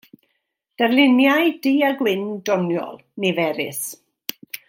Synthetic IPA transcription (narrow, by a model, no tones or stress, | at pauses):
d̥ərlɪnjajd̥iːaɡwɪndɔnjɔ̰lˠnevɛɾɪ̰s